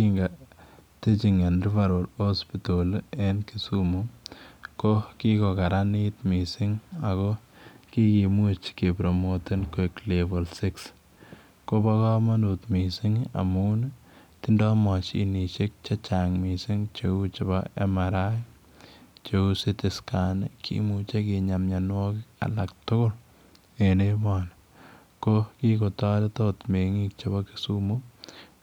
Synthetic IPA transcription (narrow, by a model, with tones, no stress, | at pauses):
kiŋɡate˦t͡ʃi˨ŋa˨nri˦va˨ɾolo˦spitolenki˨sumu | kokikokaɾanit̪misi˦ŋa˨ko˦ki˦kimut͡ʃke˨pɾomote˦nkeklebolsɪks | kobaka˦ma˦nut̪misiŋa̰˨mun | tɪ˦ndɔ˦mɔ˨t͡ʃi˨ni˨t͡ʃe˦k̚t͡ʃa˦t͡ʃaŋmi˨si˦ŋt͡ʃeu˦t͡ʃɪ˨bɔḛ˦maɾa˦ | t͡ʃeu˦si˦tɪ˨ska˨nekʰḭ˦mut͡ʃe˦ki˨ɲa˨mɲa˨nwɔ˦kɪka̰˨la˨k̚tʊ˦kʊ˦l | e˨ne˦mɔna | koki˦ko˨tɔ˦dɛ˦to˦tme˨ŋi˦k̚t͡ʃabɔ˦ki̥sumu˦